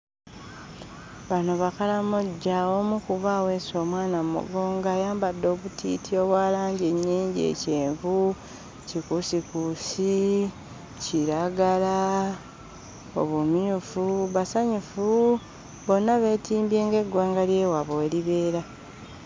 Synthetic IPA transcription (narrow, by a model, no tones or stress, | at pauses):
βanoβakalamuɟːawomukuβawe̞so̞ːmwaːnamumṵɡo̞ːŋɡajaːmbadːo̞ːβutḭːtʰio̞βwaːlaːɲɟeɲːiːɲɟie̞̰ceːɱvu | cikusikusi | ciɾaɡala | o̰βumiufuβasaɲufu | βo̞nːaβe̞ːtiːmbje̞ːŋɡe̞ɡwaːŋɡalje̞ːwaβoliβe̞ːɾa